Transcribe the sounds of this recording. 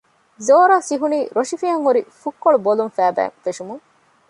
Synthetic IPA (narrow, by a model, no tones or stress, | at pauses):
zoːɾaːsiɦuniːɾoʂifiɦɐŋɦuɾifukːoɭubolumfæːbæ̰ːŋfeʃumuŋ